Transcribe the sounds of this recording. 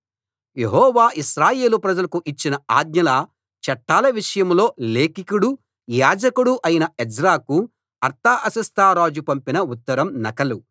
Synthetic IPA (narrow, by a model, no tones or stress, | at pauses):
je̞ɦɔːʋaːʔiʃɾaːje̞ːlupɾɐd͡ʒɐlɐkuʔit͡ʃːinɐaːd̪̚ɲɐlɐ | t͡ʃɐʈːaːlɐʋiʂɐjɐmlo̞ːle̞ːkikuɽu | jaːd͡ʒɐkuɽuʔɐjinɐed͡ʒɾaːku | ɐɾt̪aːʔɐsɐst̪ʰaːɾaːd͡ʒupɐmpinɐut̪ːɐɾɐmnɐkɐlu